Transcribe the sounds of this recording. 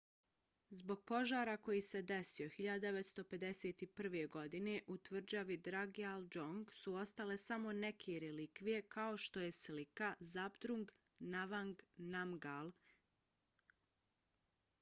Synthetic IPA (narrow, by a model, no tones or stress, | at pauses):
zbo̞ɡ̥̚po̞ʒaːɾako̞jise̞d̪e̞sio̞xiʎad̪ad̪eʋet̪st̪o̞pe̞d̪e̞se̞t̪ipr̩ʋe̞ɡo̞d̪ine̞ʔut̪ʋr̩d͡ʑaʋid̪ɾaɡiald͡ʒoŋɡsuo̞st̪ale̞samo̞ne̞kʰeɾelikʋije̞kʰao̞ʃt̪o̞je̞slikazapd̪ɾuŋɡ | naʋaŋɡnamɡalˠ